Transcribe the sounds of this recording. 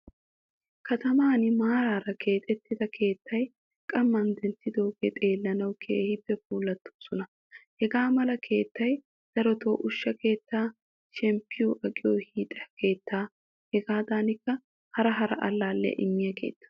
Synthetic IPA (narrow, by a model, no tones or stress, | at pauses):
kɐt̪ɐmaːnɪmaːɾaːɾɐkʰe̞ːt̪ʼɛt̪ːɪd̪ɐkʰe̞ːt̪ːɐj | kʼɐmːɐnd̪ɛnt̪ːɪd̪oːɡɛt̪ʼe̞ːlːɐnɐwkʰḛːhɪbːɛfuːlːɐt̪ːoːsɔnɐ | hɛɡaːmɐlɐkʰe̞ːt̪ːɐj | d̪̥ɐɾɔt̪o̰ːʔʊʃːɐke̞ːt̪ːaː | ʃɛmpːɪjoʔɐkʼɪjo̰ːhiːt̪ʼɐɐke̞ːt̪ːaː | hɛɡaːd̪aːnɪkːɐ | hɐɾɐɦɐɾɐ̰ʔɐlːaːlːɛ̰ʔɪmːɪjɐkʰe̞̰ːt̪ːɐ̥